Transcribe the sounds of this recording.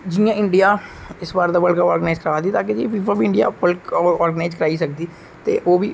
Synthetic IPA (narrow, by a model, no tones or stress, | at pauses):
d͡ʒijãːɪɳɖijaːɪsbaːɾd̪aːbəlkaɔːɾɡənaːzkəɾʋaːd̪iːt̪aːked͡ʒipiːpəɾbiːɪ̃ɳɖija̰ːpəlkːɔːɾɡənaːɪd͡ʒkəɾaːiːsəkd̪iː | t̪ḛːʔoːbiː